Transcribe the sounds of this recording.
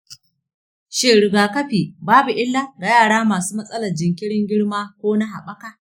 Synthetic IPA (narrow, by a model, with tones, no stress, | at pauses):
ʃeː˦ɽɪ˨ɡaː˨kɐ˦ɸiː˨baː˦bu˨ʔɪ˦lːa˦ɡa˨jaː˦˨ɽaː˦maː˨suː˦mɐ˦sʼɐ˦lɐ˨rd͡ʒɪ˨ŋkʲɪ˦ɽɪ˦ŋɡʲɪ˦ɽmaː˦kʷoː˦na˦ɦa̰˨ɓɐ˦ka˦